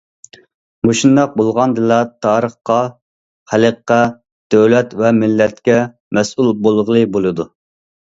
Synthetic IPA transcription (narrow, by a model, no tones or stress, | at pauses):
moʃind̪ɑq̚bolˠʁɑnd̪ɨlɛt̪ʰɑːɾəχqɑ | χæləqːɑ | d̪̥øwlɛt̪vɛmɪlːɛt̪̚kʲɛ | mɛsulˠbolˠʁlˠɨbolˠɨd̪u